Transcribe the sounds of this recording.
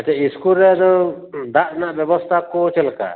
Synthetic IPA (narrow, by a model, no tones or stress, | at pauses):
at͡ʃaiskulɾɛad͡ʒɔ | d̪aʔnaʔbɔbɔst̪ʰakɔt͡ʃɛlka̰